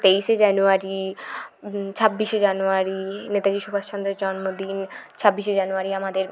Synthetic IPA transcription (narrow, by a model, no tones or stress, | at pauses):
t̪ejʃed͡ʑanuaɾi | t͡ɕʰabːiʃed͡ʑanuaɾinet̪ad͡ʑiʃubʱaʃʃʰɔnd̪ɾeɾd͡ʑɔnmod̪int͡ɕʰabːiʃed͡ʑanuaɾiamad̪eɾ